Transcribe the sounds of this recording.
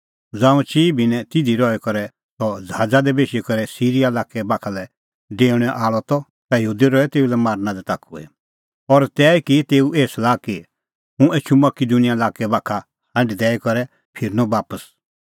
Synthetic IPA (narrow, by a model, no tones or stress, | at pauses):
d͡zãːũt͡ʃiːbʱinɛ̃t̪ɪd̪ʱiɾɔɛkɔɾɛ | t̪ɔd͡zɦaːd͡zad̪ɛbeːʃikɔɾɛsiːɾijalaːkɛbakʰalɛ | ɖeːɽ̃ɛʔaːɭɔt̪ɔ | t̪ajɦuːd̪iɾɔɛt̪eːulɛmaːɾnãd̪ɛt̪aːkʰuɛ̰ | ɔɾt̪ɛːkit̪eːuʔeːslaːki | ɦũeːt͡ʃʰumɐkid̪unijalaːkɛbaːkʰa | hɐ̃ɳɖid̪ɛːikɔɾɛ | pʰɪɾnɔbaːpəs